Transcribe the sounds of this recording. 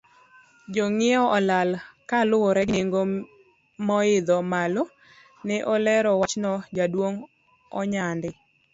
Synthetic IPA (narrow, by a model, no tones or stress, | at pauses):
d͡ʒoŋɪɔʔɔlalkalʊɾɛɡneŋɡo | mɔɪd̪ɔmalo | nɛʔɔlɛɾɔwat͡ʃnɔd͡ʒadwoŋ | ɔɲandɪ